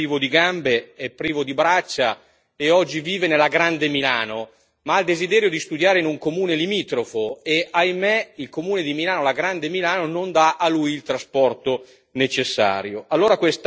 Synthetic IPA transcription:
iːvod̪iɡambeɛpːɾiːvod̪ibɾat͡ʃːa | eɔd͡ʒːiviːvenelːaɡɾand̪emilaːno | maald̪ezid̪ɛːɾjod̪ist̪ud̪jaːɾeinuŋkomuːnelimiːt̪ɾofoeʔajmɛilkomuːned̪imilaːnolaɡɾand̪emilaːnonond̪aʔalujilt̪ɾaspɔrt̪o | net͡ʃesːa̰ːɾjoʔalːoːɾakwest̪

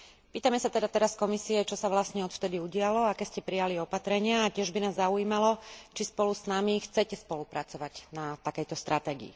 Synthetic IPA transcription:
piːt̪amɛsat̪ɛd̪at̪ɛɾaskɔmisiɛt͡ʃɔsaʋlasɲɛɔt̪ft̪ɛd̪iuɟɪalɔakɛːscɛpɾijaliɔpat̪ɾɛɲɪaːcɪɛʒbinaːzːaujiːmalɔt͡ʃispɔlusnamixt͡sɛcɛspɔlupɾat͡sɔʋaɟnat̪akɛjt̪ɔst̪ɾʔat̪ɛːɡḭḭ

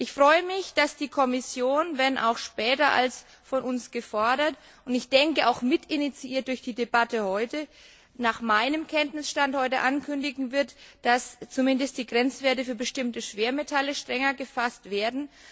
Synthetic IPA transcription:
ʔɪçfʁ̥ɔʏəmɪçd̥asd̥iːkʰɔmɪsjoːnvɛnʔa̰ʊxʃpɛːtɐʔa̰ls | fɔnʊnsɡ̥əfɔɐɾɐt | ʔʊntɪçd̥ɛŋkəʔaʊxmɪtɪnit͡siʔiːɐt̚d̥ʊɐçd̥iːdebatəhɔʏtə | naːχmaɪnəmkʰɛntnɪsʃtanthɔʏtə̰ʔankʰʏndɪɡŋ̩vɪɐtd̥ast͡sumɪndəst̚d̥iːɡʁɛnt͡sv̥eːɐtəfyːɐbəʃtɪmtəʃv̥eːɐmetʰaləʃtʁ̥ɛŋɐɡəfastv̥eːɐdn̩

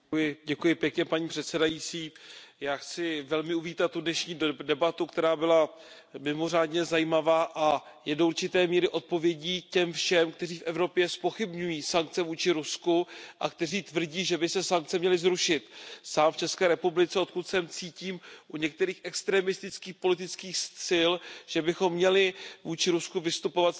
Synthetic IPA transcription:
jɪɟɛkujɪpjɛkɲɛpaɲiːpr̥ɛt̪sɛdajit͡siːjaːxt͡sɪvɛlmɪuviːt̪at̪ːudnɛʃɲiːdɛbat̪ukt̪ɛɾaːbɪla | mɪmo̞r̝aːdɲɛzajiːmavaːʔa | jɛdouɾt͡ʃɪt̪ɛːmiːɾɪʔo̞t̪̚po̞vjɛɟiːcɛmfʃɛmkt̪ɛriːfʔɛvɾo̞pjɛspo̞xɪbɲujiːsaŋk̚t͡sɛvuːt͡ʃɪɾuskuʔa̰k̚t̪ɛriːt̪vr̩ɟiːʒɛbɪsɛsaŋk̚t͡sɛmɲɛlɪzɾuʃɪt̪saːmft͡ʃɛskɛːɾɛpublɪt͡sɛo̞t̪̚kut̪sɛmt͡siːciːmʔuɲɛk̚t̪ɛɾiːxʔɛkst̪ɾɛmɪst̪ɪt͡skiːxpo̞lɪt̪ɪt͡skiːxst̪t͡sɪlʒ̥ɛbɪxo̞mːɲɛlɪvuːt͡ʃɪɾuskuvɪst̪upo̞vat̪

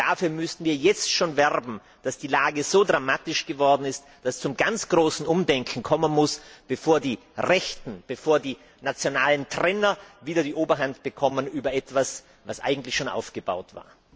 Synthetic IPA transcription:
d̥afyːɐmʏstn̩viːɐjɛt͡stʃoːnvɛʁbm̩ | d̥asd̥iːlaːɡəz̥oːdʁamaːtɪʃɡ̥əvɔɐdn̩ɪst | d̥ast͡sʊmɡant͡sɡ̥ʁoːsn̩ʔʊmdɛŋkʰŋ̩kʰɔmənmʊsb̥əfoːɐdiː | ʁɛçtn̩b̥əfoːɐdiː | nat͡sjonaːləntʁ̥ɛːnɐviːdɐdiːʔoːbɐɦantb̥əkʰɔmənʔyːbɐʔɛtv̥as | vasʔa̰ɪɡŋ̩tlɪçʃoːnʔa̰ʊfɡ̥əba̰ʊtva̰ːɐ

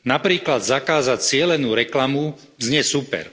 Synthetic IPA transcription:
napɾiːklad̪zakaːzact͡sɪɛlɛnuːɾɛklamu | zɲɛsupɛ̰ɾ

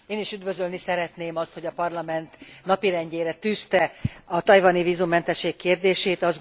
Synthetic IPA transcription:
eːniʃyd̪vø̞zølnisɛɾɛt̪neːmɒst̪ho̞ɟɒpɒrlɒmɛnt̪nɒpiɾɛɲɟeːɾɛt̪yːst̪ɛɒt̪ɒjvɒniviːzumːɛnt̪ɛʃːeːkːeːrd̪eːʃeːt̪ɒz

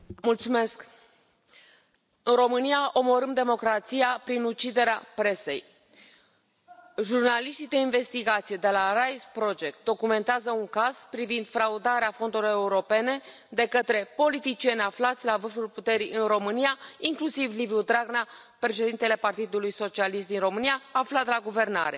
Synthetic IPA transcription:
mult̪sume̞sk | ɨnro̞mɨnijaʔo̞mo̞ɾɨmd̪e̞mo̞kɾat̪sijapɾinut͡ʃid̪e̞ɾeapɾe̞se̞̰j | ʒurnaliʃt̪ijd̪e̞inve̞st̪iɡat̪sije̞d̪e̞larajspɾo̞d͡ʒek̚t̪̚d̪o̞kume̞nt̪eazəuŋkaz̥pɾivind̪fɾaud̪aɾeafo̞nd̪uloe̞uɾo̞pe̞ne̞ | d̪e̞kət̪ɾe̞po̞lit̪it͡ʃie̞nʲaflat̪sʲlavɨrfulput̪e̞ɾiʔɨnro̞mɨnijaiŋklusivliviud̪ɾaɡna | pɾe̞ʃe̞d̪int̪e̞le̞part̪id̪ulujso̞t͡ʃialist̪d̪inro̞mɨnijaːflat̪laɡuve̞rna̰ɾe̞̰

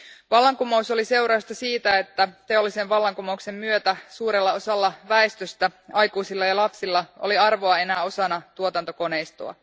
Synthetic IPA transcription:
ʋɑlːɑŋkumo̞uso̞lise̞wɾɑst̪ɑsiːt̪æe̞t̪ːæt̪e̞o̞lːise̞ʋʋɑlːɑŋkumoukse̞mːyøt̪æsuːɾe̞lːɑo̞sɑlːɑʋæest̪øst̪æɑjkuːsilːɑjɑlɑpsilːɑo̰liɑrʋoɑe̞næːo̞sɑnːɑt̪uot̪ɑnt̪o̞ko̞ne̞jst̪ṵɑ̰

